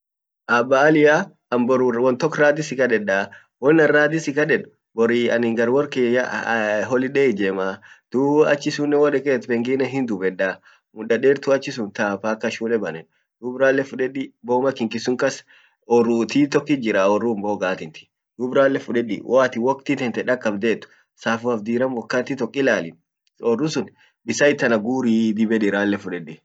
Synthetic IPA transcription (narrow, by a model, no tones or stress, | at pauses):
ʔɐbːaːlɪja | ɐmbɔwɔnt̪ɔkːɾaːd̪ɪsɪkɐᶑɛᶑaː | wɔnːɐɾaːd̪ɪsɪkɐᶑɛᶑʊ̥ | bɔɾiɐnɪŋɡɐɾwɔɾkeja̰ɦɔlɪɗɛːd͡ʒeːmaːd̪̥uɐt͡ʃːɪsʊnːɛwɔɾɛkeːt̪bɛŋɡɪnɛɦɪnd̪ʊbɛᶑːaː | mʊɗɐᶑeːɾt̪ʊɐt͡ʃːɪsʊnt̪aːfaːkːɐʃuːnɛbɐnɛn | d̪̥ʊbɾaːlːɛfʊᶑɛᶑɪboːmɐkːɪŋkɪsʊŋkɐs | ɔrut̪iːt̪ɔkːɪd͡ʒɪɾaɔrːʊmboɡaːt̪ɪnt̪ɪ̥ | d̪̥ʊbɾaːlːɛfʊᶑɛᶑɪ̰wʔaːt̪ɪwɔkt̪ɪt̪ɛnt̪ɛᶑɐkʼːɐbd̪eːt̪ːʊ̥ | saːfʊɐfd̪iːɾɐmwɔkːaːt̪ːɪt̪ɔkʼːɪlaːlɪn | ɔrːʊsʊn | bɪsɐɪt̪ːɐnɐɡuːɾiːd̪ɪbɛd̪ɪɾaːlːɛfʊᶑɛᶑɪ